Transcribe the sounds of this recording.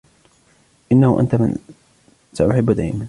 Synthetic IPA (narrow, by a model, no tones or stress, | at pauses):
ʔɪnːahʊʔa̰nt̪amɪ̰n | saʔʊħɪbːd̪aːʔɪman